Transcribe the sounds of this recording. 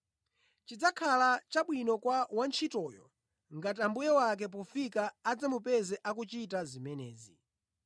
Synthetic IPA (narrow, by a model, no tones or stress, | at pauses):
t͡ʃid͡zakʰalat͡ʃaɓwinɔkwawant͡ʃʰitɔjɔ̰ | ŋɡatambujɛwak̬ɛp̬ɔfikaːd͡zamupɛzɛʔakut͡ʃitazimɛnɛ̰ːzḭ